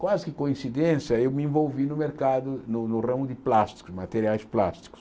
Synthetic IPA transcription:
kwazɪkɪkõĩsid̪ẽsjɐewmɪẽvowvinʊmeɾkad̪ʊnʊnʊrɐ̃mʊd̪ɪplast̪i̥kʊsmat̪eɾiajspla̰st̪i̥kʊ̥s

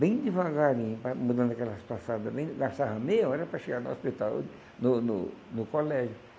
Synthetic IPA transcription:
bẽj̃d̪ɪvaɡaɾĩpɐmud̪ɐ̃nd̪ɐkɛlɐspasad̪ɐbẽj̃d̪ɡaʃt̪aɦɐmeɐɛɾɐpɾɐʃeɡaɾnʊo̰spit̪aw | nʊnʊ̰nʊkolɛʒʊ

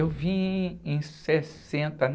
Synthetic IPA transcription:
ewvĩẽj̃ses | ẽnt̪ɐn

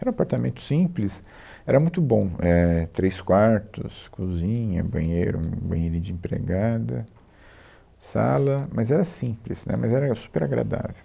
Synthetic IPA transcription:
ɛɾɐ̃apaɾt̪amẽnt̪ʊ̥sĩplɪs | ɛɾɐmũj̃t̪ʊbõɛt̪ɾejskwaɾt̪ʊskuzĩɲɐ̰bɐ̃ɲejɾʊũbɐ̃ɲeɾid͡ʒɪẽpɾḛɡad̪ɐ | sa̰lɐmɐzɛɾɐsĩplɪsnɛ̰mɐzɛɾɐsu̥peɾaɡɾa̰d̪a̰vew

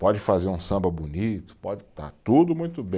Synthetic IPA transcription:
pɔd͡ʒɪfazeɾũsɐ̃mbɐbunit̪ʊ̥pɔd͡ʒɪt̪a̰t̪ud̪ʊmũj̃t̪ʊbẽ

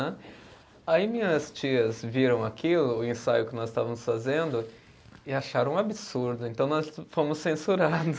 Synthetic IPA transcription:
ɛ | aimĩɲɐst͡ʃiɐzviɾɐ̃w̃akilʊːẽsajʊkɪnɔzɪst̪avɐmʊsfazẽnd̪ʊ | ɪaʃaɾɐ̃w̃abɪsuɾd̪ʊẽnt̪ɐ̃w̃nɔsfõmʊsːẽsuɾad̪ʊ

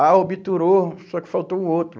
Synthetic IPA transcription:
aobit̪uɾosɔkɪ̥fawt̪oũot̪ɾʊ

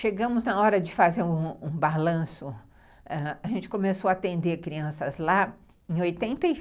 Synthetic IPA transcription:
ʃeɡɐ̃mʊznɐɔɾɐd͡ʒɪfazeɾũũbalɐ̃sʊ | ɛaʒẽnt͡ʃɪ̥kõmesoat̪ẽnd̪eɾkɾiɐ̃sɐzla | ẽj̃ojt̪ẽnt̪ɐi

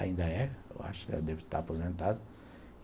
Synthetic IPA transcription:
a̰ĩnd̪ɐɛḛwa̰ʃʊ̥kɛɐd̪ɛvt̪a̰ɾapozẽnt̪ad̪ɐ

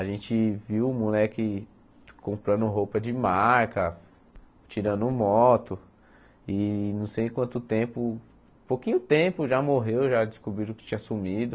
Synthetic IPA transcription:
aʒẽnt͡ʃɪviwʊmulɛkɪ | kõmpɾɐ̃nd̪ʊɦowpɐd͡ʒɪmaɾkɐ | t͡ʃiɾɐ̃nd̪ʊʊmɔt̪ʊ | ɪnɐ̃w̃sejkwɐ̃nt̪ʊt̪ẽpʊ | powkĩɲʊt̪ẽpʊʒamoɦewʒad͡ʒɪskubɾiɾʊkɪ̥t͡ʃĩɲɐsumid̪ʊ

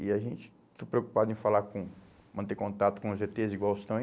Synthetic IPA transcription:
iaʒẽnt͡ʃɪ̥ | t̪opɾeoku̥pad̪ʊẽfalaɾkõ | mɐ̃nt̪ekõt̪at̪ʊ̥kõʊzʒet̪eziɡwawst̪ɐ̃w̃

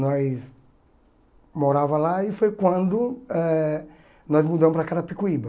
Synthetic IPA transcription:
nɔjs | moɾavɐlaɪfojkwɐ̃nd̪ʊɛ | nɔjzmud̪ɐ̃mʊpɾɐkad̪ɐpikuibɐ

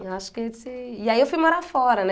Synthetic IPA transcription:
asket͡sijajofimɔɾafɔɾana

